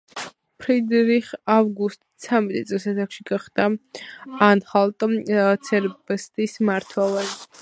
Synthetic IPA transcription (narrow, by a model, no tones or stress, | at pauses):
pʰɾid̪ɾiχavɡust̪ʼt̪sʰamɛt̪ʼit̪sʼlisasakʃiɡaχd̪a | anχalˠt̪ʼt̪sʰɛɾbɛst̪ʼismaɾt̪ʰwɛvɛn